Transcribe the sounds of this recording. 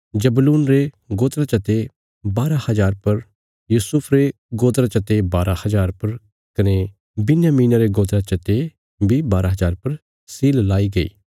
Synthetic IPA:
d͡ʒɐbluːnɾe | ɡoːt̪ɾat͡ʃɐt̪e | baːɾahɐzaːɾpɐɾ | juːsʊpʰɾe | ɡoːt̪ɾat͡ʃɐt̪ebaːɾahɐzaːɾpɐɾ | kɐne | bɪnjaːmiːnaɾeɡoːd̪ɾat͡ʃɐt̪e | bʱibaːɾaɦɐzaːɾpɐɾ | siːllaːiɡɐḭː

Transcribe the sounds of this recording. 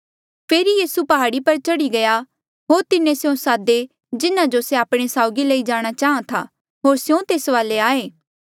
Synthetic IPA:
pʰeːɾijiːsupɐɦaːɽipɐɾt͡ʃɐɽiɡɐja | ɦoːɾt̪ɪnẽsjõsaːd̪e | d͡ʒɪnãd͡ʒoseaːpɽ̃esaːʊɡiləid͡ʒaːɽ̃at͡ʃaːɦãt̪ʰa̰ː | ɦoːɾsjõt̪eːsʋaːleaːeː

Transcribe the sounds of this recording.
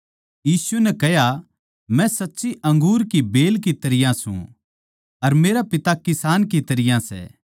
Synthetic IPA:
jiːsʊɛnɛkɛɦja | mɛ̃sɐtːsiʔɐ̃ŋɡuːɾkibeːlkit̪ɐɾɪjãsṵ̃ | ɐɾmeːɾapɪt̪akɪsaːnkit̪ɐɾɪjãsɛ̰ː

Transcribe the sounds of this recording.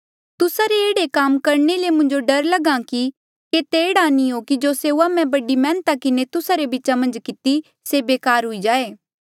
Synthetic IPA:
t̪ʊsaɾeeːɽekaːmkɐɾnelemʊ̃nd͡ʒoɖɐɾlɐɡãki | ket̪eːɽanĩɦokid͡ʒoːseːuamɛ̃bɐɖimɛ̃ːnt̪akɪnet̪ʊsaɾebɪːt͡ʃamɐ̃nd͡ʒkɪt̪i | sebeːkaːɾɦʊid͡ʒaːeː

